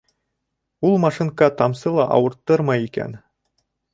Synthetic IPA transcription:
ulˠmɑʂɨnkɑt̪ɑmsɤlˠɑʔɑ̰wɤ̆ɾt̪ːɤɾmɑikʲæ̰n

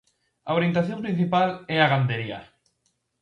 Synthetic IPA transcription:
aβɾint̪aθjõmpɾĩn̟θipalɛaɣand̪eɾia̰

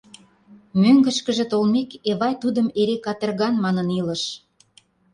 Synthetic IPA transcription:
møŋɡə̆ʃkə̆ʒĕt̪olmekeβɑjt̪ud̪əmeɾekɑt̪ə̆rɣɑnmɑnənilə̆ʃ

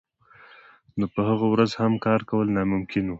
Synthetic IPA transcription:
nopəhaɣawɾazhamkɑɾkawəlnɑmʊmkɪnu

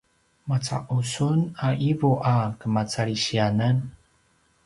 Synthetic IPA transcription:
mat͡sa̰ʔusunaʔivuʔakəmat͡saɭiɕianan

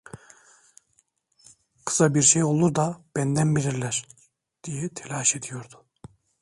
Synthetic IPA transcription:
kʰɯ̥sabiɾʃejo̞lˠuɾd̪ab̥ænd̪ænbiɾiɾlʲæɾ̥ | d̪̥ijɛt̪ʰelʲaːʃe̞d̪ijo̞ɾd̪ʊ̥

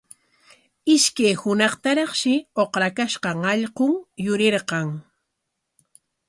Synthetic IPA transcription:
ɪʃkajhʊnɑχt̪aɾɑχʃɪoqɾakaʃqɑŋɑʎqoŋjʊɾeɾqɑŋ

